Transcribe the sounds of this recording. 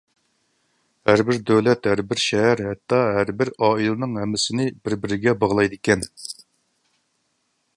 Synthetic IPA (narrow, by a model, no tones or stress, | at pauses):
hæɾbɪɾd̪ɛwlɛt̪hæɾbɪɾʃɛɦæɾɦɛt̪ʰːɑɦæɾbɪɾɑːilˠɨnɨŋɦɛmːɪsɪnɪbɪɾbɪɾɪɡʲɛbɑʁlˠɑjd̪ɪkʲɛn